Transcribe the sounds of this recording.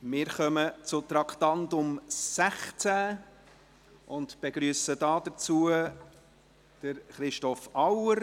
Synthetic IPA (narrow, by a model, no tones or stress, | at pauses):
mɪːɾχœmət͡sʊt̪ɾɑkʰt̪ɑntʊmsæχt͡sæ | ʊndb̥eɡɾyːsədɑːdəɾt͡suːə | d̥əɾχɾɪʃtɔfɑwəɾ